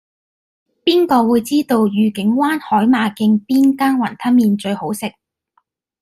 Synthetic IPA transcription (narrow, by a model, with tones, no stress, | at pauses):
piː˥nkɔː˧wuː˨˧jt͡siː˥t̪o˧wjyː˨kɪ˨˥ŋwaː˥nhɔː˨˥jmaː˨˧kɪ˧ŋpiː˥nkaː˥nwɐ˨˩nt̪ʰɐ˥nmiː˧nt͡ʃɵ˧ɥho˨˥wsɪ˨k̚